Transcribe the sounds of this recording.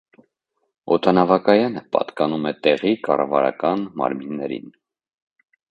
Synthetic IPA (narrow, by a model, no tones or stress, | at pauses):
ɔt̪ʰɑnɑvɑkɑjɑnəpɑ̰t̪kɑnumɛt̪ɛʁikɑrɑ̰vɑ̰ɾɑ̰kɑnmɑ̰ɾminːɛɾḭn